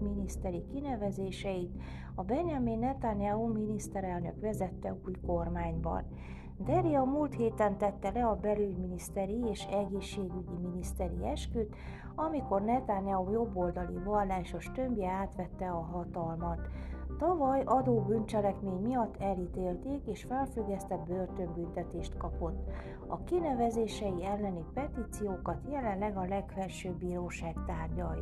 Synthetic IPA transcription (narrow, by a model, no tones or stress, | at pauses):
minist̪ɛɾikinɛvɛzeːʃɛjit̪ | ɒbɛɲjɒmenːɛt̪anjauminist̪ɛɾɛlnø̰kʋɛzɛt̪ːɛuːjko̞rmaːɲbɒ̰n | d̪ɛɾiɒmuːlt̪heːt̪ɛnt̪ɛt̪ːɛlɛɒbɛlyɟminist̪ɛɾieːʃɛɡeːʃːeːɡyɟiminist̪ɛɾḭɛʃkyt̪ | ɒmiko̞rnɛt̪aɲjaujo̞bːo̞ld̪ɒlḭvɒlːaːʃo̞ʃt̪ø̞mbjɛaːt̪ʋɛt̪ːɛɒɦɒt̪ɒlmɒt̪ːɒvɒjʔɒd̪oːbynt͡ʃɛlɛkmeːɲmijɒt̪ːɛlit̪eːlt̪eːkeːʃfɛlfyɡːɛst̪ɛbørt̪ømbynt̪ɛt̪eːʃt̪kɒpo̞t̪ː | ɒkinɛvɛzeːʃɛjiɛlːɛnipɛt̪it̪sijoːkɒt̪jɛlɛnlɛɡɒlɛkfɛrʃøːbːiːɾoːʃaːkt̪aːrɟɒj